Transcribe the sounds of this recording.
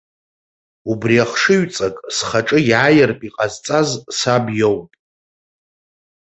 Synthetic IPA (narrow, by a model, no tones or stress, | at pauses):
ubriaχʂɨɥt͡sʼakʼsχaʈ͡ʂʼɨjʕajɪrpʼiqʼazt͡sʼazsabjowpʼ